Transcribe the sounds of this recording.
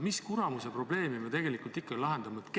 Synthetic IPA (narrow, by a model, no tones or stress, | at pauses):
miskuɾɑmusepro̞ble̞ːmimet̪e̞ɡ̥e̞likˑult̪ikˑːɑilɑɦe̞nd̪̥ɑmɑet̪k